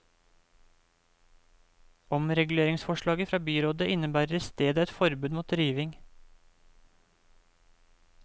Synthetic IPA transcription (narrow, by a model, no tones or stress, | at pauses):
ɔmɾɛɡʉleːɾɪŋsfɔʃɭɑːɡəfɾɑːbyːɾoːd̪əʔɪnəbæːɾəst̪eːd̪əɛt̪fɔɾbʉːd̪muːt̪ɾiːʋɪŋ